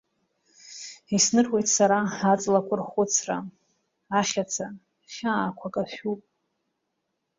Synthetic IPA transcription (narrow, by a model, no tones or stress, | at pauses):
isnɨrwe̞jtʼʰsaɾaat͡sʼlakʷʰʼʊrχʊt͡sʰra | aχʲat͡sʰa | ʃʲaːkʷʰakʼaʃᶣupʼ